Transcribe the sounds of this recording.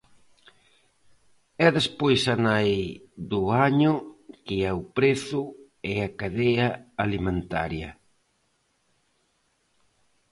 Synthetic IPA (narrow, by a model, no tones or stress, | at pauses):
ɛðespojsanajðʊaɲʊkɪawpɾeθʊ | ɛakaðeɐalimẽnt̪a̰ɾjɐ̰